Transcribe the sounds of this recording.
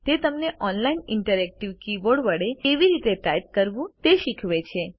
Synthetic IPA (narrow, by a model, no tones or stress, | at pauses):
t̪et̪əmneʔɔnlainɪɳʈəɾɛk̚ʈiʋkiʋoɖʋəɽeeʋiɾit̪eʈajt̪̚kəɾʋũt̪eʃikʰʋet͡ʃʰe